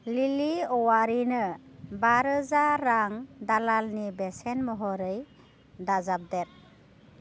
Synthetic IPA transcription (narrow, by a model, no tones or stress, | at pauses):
liliɔwaɾinɯbaɾɯzaɾaŋdalalnibesenmɔɦɔɾɯj | dazab̚dɛt̚